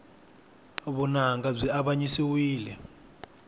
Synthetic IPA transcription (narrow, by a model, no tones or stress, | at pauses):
βunaŋɡab͡ʐʷiaɓaɲisiwiːlɛ